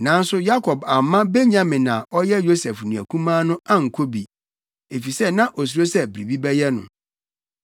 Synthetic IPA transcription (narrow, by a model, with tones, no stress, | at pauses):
nã˨˦n̩˦sʊ˦ja˦kʰɔ˨ba˨mːã˦be˦ɲã˨mɪ̃˨nã˨ɔ˦jɛ˦jo˦sɛ˨fnĩ˨æ̰˨kʰũ˦mãː˦nʊ̃˦a˦ŋ̩˨kʰo˦bi˨ | e˨fi˨sɛ˦nã˦ʔo˨s̬u˨ɾo˦sɛ˦bɾi˨bi˦bɛ˦jɛ˦nʊ̰̃˨